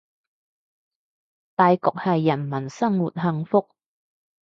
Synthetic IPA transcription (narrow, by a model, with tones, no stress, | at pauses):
t̪aː˨jkɔː˨k̚hɐ˨jːɐ˨˩nmɐ˨˩nsɐ˥ŋwuː˨t̚ɦɐ˨˧ŋfʊ˥k̚